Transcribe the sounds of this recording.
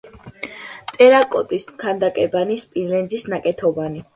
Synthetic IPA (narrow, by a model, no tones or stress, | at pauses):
t̪ʼɛɾakʼɔt̪ʼismkʰand̪akʼɛbanispʼinlɛnd̪zisnakʼɛt̪ʰɔbani